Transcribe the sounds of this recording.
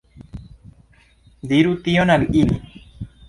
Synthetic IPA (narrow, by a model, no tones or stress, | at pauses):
d̪iɾut̪ionaliʔini